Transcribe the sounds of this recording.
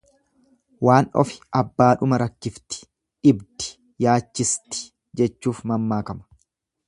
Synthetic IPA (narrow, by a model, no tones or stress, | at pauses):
waːnɔ̰fɪ̥ʔɐbːaːᶑʊmɐɾɐkːɪft̪ɪ̥ | ᶑɪbd̪ɪ̥ | jaːt͡ʃːɪst̪ɪ̥ | d͡ʒɛt͡ʃːuːfmɐmːaːkɐmɐ̥